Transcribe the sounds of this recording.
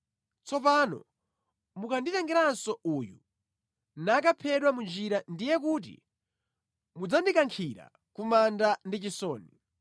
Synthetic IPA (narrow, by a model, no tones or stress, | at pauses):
t͡sɔpanɔ̰ | mukanditɛŋɡɛɾansɔujṵ | nakapʰɛɗwamund͡ʒiɾandijɛk̬uːt̬ḭ | mud͡zandikaŋkʰiɾa̰ | kumandandit͡ʃisɔːni